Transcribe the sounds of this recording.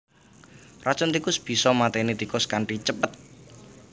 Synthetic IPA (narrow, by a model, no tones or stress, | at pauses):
rat͡ʃɔnt̪ikʊsb̥i̤sɔmat̪enit̪ikʊskaɳʈit͡ʃəpət̪̚